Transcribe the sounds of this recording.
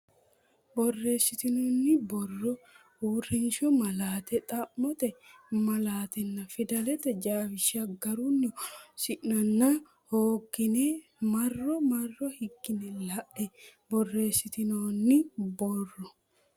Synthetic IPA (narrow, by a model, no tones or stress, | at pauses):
bɔrːe̞ːsːɪt̪ɪnoːnːɪbɔrːɔ | huːrɪnʃɔmɐlaːt̪ɛt̪ʼɐmːɔt̪ɛmɐlaːt̪ɛnːɐfɪd̪ɐlɛt̪ɛd͡ʒaːfɪʃɐɡɐɾʊnːɔsɪʔnɐnːɐ | hoːɡɪnɛ | mɐrːɔmɐrːɔhɪɡːɪnɛlɐʔɛbɔrːe̞ːsːɪt̪ɪnoːnːɪbɔrːɔ